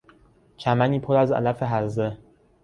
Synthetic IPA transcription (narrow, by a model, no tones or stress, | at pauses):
cʰæmæniːpʰoɾæzæ̰læfe̞ɦæzd̪e